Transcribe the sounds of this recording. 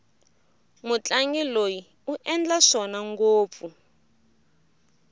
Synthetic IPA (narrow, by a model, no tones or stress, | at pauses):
mut͡ɬʼaŋɡiloji | uʔɛnd͡ɮaʂɔnaŋɡoːp̪fu